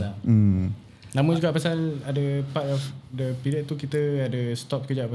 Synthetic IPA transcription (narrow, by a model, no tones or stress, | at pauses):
a | nãmə̃d͡ʒuɡaʔpasaladəpat̪ɔfdəpilɛʔ̚t̪ukit̪əadəst̪ɔp̚kəd͡ʒaʔpa